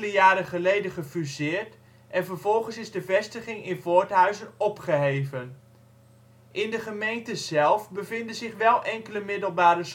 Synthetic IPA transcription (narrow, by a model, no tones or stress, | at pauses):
ləjaːɾəχəlejdənχəfyzɪːrt | ʔɛnvərvɔlˠχənsɪzdəvɛstəχɪŋɪnvotɦœɥzənɔpχəɦejvən | ʔɪndəχəmejntəzɛlˠfbəvɪndənzɪχʋɛlˠʔɛŋkələmɪdəlˠbaːɾəs